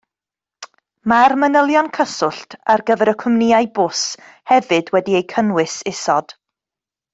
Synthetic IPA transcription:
marmənəlˠjɔnkʰəsʊɬtʰarɡəvɛɾəkʰʊmnɪajbʊs | hɛvɨdwɛdiejkʰənwɪsɪsɔd̥

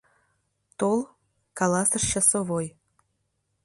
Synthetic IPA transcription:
t̪olˠ | kɑlɑsəʃt͡ɕɑsoβoj

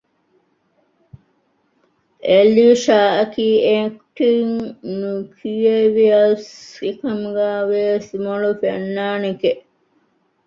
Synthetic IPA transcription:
ʔeliːʃaːɐkiːekʈiŋnukʰijeʋiɐsekɐmuɡæːʋesimolufenːaːnekeʔ

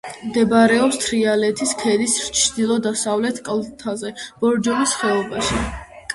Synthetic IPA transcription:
md̪ɛbaɾɛɔpst̪ʰɾialɛt̪ʰiskʰɛd̪ist͡ʃʰd̪̥ilˠɔd̪asavlɛt̪ʰkʼlˠt̪ʰazɛb̥ɔɾd͡ʒɔlisχɛɔbaʃi

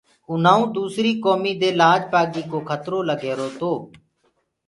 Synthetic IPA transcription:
ʊn̤aːũːd̪uːsɾiːkoːmiːd̪eːlaːd͡ʒpaːɡiːkoːkʰət̪ɾoːləɡʱeːɾoːt̪oː

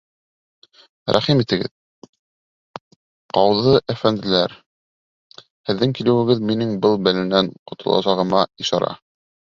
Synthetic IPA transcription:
ɾæ̰χimit̪ɘ̆ɡɘ̰ð | qɑwðɤʔæfænd̪ɘ̆læɾ | hɘ̆ðːɘŋkilɘ̆wɘ̆ɡɘðminɘŋbɤlˠbælɘ̆næɴqŏt̪ʰɤ̆lˠɑ̰sɑʁɤ̆mɑiʃɑ̰ɾɑ̰

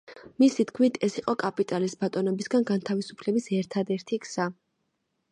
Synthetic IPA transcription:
misit̪kʰmit̪ʰɛsiqʼɔkʼapʼit̪ʼalisbat̪ʼɔnɔbisɡanɡant̪ʰavisupʰlɛbisɛɾt̪ʰad̪ɛɾt̪ʰiksa

